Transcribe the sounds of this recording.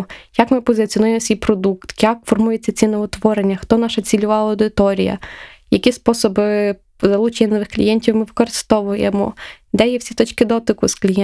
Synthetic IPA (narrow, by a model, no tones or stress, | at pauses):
jakmɪpɔzɪt͡sʲiɔnujemɔsʲʋijpɾɔd̪ukt̪jakfɔrmujɛt͡sʲːɐt͡sʲinɔʋɔt̪ʋɔɾenʲːɐxt̪ɔnɑʃɐt͡sʲilʲʊʋɑlˠɐɐwd̪ɪt̪ɔɾʲijɐ̰jɐkʲispɔsɔbɪ | zɐlˠut͡ʃɐnʲːɐnɔʋɪxklʲḭjɛnʲtʲiwmɪʋɪkɔɾɪst̪ɔʋʊjḛmɔ̰ | d̪ɛjɛwsʲit̪ɔt͡ʃkɪd̪ɔt̪ɪkʊsklʲijɛ